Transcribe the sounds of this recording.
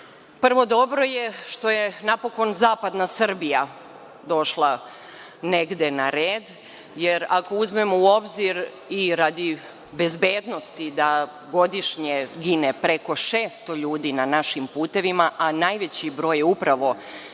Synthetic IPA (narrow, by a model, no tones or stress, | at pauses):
pr̩ʋo̞d̪o̞bɾo̞je̞ʃt̪o̞jenapo̞ko̞nzaːpad̪nasr̩bija | d̪o̞ʃlˠa | ne̞ɡd̪e̞naɾeːd̪ | jeɾakouzmemouo̞bziɾ | iɾad̪i | be̞zbeːd̪no̞st̪id̪a | ɡo̞d̪iʃɲeɡinepɾe̞ko̞ʃe̞ːst̪o̞ʎuːd̪inanaʃimpuːt̪e̞ʋimaʔanajʋe̞t͡ɕibɾo̞ːjeupɾaʋo̞